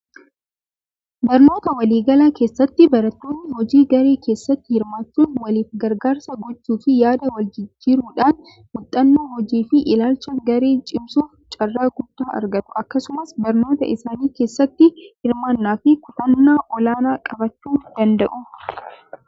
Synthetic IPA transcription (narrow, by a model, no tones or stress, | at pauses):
bɐɾno̞ːt̪ɐwɐliːɡɐlaːke̞ːsːɐt̪ːɪbɐɾɐt̪ːo̞ːnːɪhɔd͡ʒiːɡɐɾe̞ːkʰe̞ːsːɐt̪ːɪhɪɾmaːt͡ʃːuːnwɐliːfɡɐɾɡaːɾsɐɡɔt͡ʃːuːfɪjaːd̪ɐwɐld͡ʒɪd͡ʒːiːɾuːᶑaːn | mʊt̪ʼːɐnːoːhɔd͡ʒiːfɪʔɪlaːlt͡ʃɐɡɐɾe̞ːt͡ʃʼɪmsuːft͡ʃʼɐrːaːɡʊd̪ːaːʔɐ̰ɾɡɐt̪ʊ̥ʔɐkːɐsʊmɐsbɐɾno̞ːt̪ɐ̰ʔɪsaːniːke̞ːsːɐt̪ːɪhɪɾmaːnːaːfɪkʊt̪ɐnːaːʔɔlaːnaːkʼɐbɐt͡ʃːuːnd̪ɐnd̪ɐʔʊ